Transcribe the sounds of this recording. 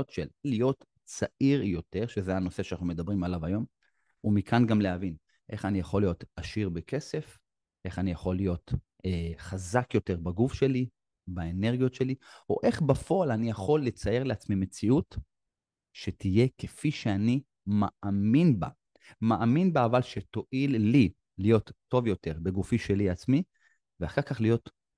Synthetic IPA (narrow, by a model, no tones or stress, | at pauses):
otʃellijo̞t̪ | t͡saʔiʁjo̞te̞ʁʃezeano̞se̞ʃanaχnumed̪abʁimalavajo̞m | umikʰanɡamleavin | ʔe̞χanijaχo̞lijo̞taʃiʁbekese̞f | ʔe̞χanijaχo̞lːijo̞t | eχazakjo̞te̞ʁbaɡufʃe̞li | baene̞ʁɡijo̞tʃe̞lio̞̰ʔe̞χbafo̞alanijaχo̞lːe̞t͡saje̞ʁleat͡smime̞t͡siut | ʃetije̞kefiʃeani | maʔaminba̰ | maʔaminbaːvalʃeto̞ʔilːi | lijo̞tːo̞vjo̞te̞ʁbeɡufiʃe̞liat͡smi | veaχaʁkaχlijo̞t